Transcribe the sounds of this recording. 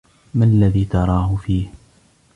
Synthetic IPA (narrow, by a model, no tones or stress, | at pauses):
manalːaðiːt̪ɑɾˤɑːhʊfiːh